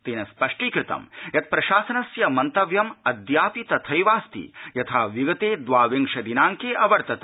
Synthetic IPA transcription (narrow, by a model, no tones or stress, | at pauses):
t̪eːnɐspɐʂʈiːkɾɪt̪ɐ̰mjɐt̪̚pɾɐʃaːsɐnɐsjɐmɐnt̪ɐʋjɐmɐd̪jaːpit̪ɐt̪ʰɐjʋaːst̪ḭjɐt̪ʰaːʋiɡɐt̪eːd̪ʋaːʋeŋʂɐd̪inaːŋkeːʔɐʋɐɾt̪ɐt̪